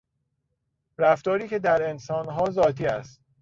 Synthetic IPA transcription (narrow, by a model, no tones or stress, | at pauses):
ɾæft̪ɒːɾiːce̞d̪æɾe̞nsɒːnɦɒːzɒːt̪ʰiːæst̪̚